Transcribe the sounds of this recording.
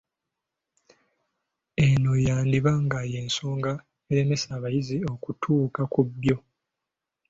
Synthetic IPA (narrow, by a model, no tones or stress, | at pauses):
e̞no̞jaːndiβaŋɡaje̞ːnso̞ːŋɡa | eɾe̞me̞saːβajizio̞kutʰuːkakubjo̞